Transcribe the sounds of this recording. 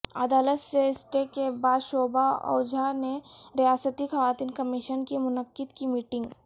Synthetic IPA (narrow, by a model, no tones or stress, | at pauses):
ɐ̰d̪aːlət̪seɪsʈekebaːd̪ʃoːbaɔ̰ːd͡ʒʱaneɾijaːsət̪ixɐʋaːt̪iːnkɐmiʃənkimʊnəkːɪd̪kimiːʈɪ̃ŋɡ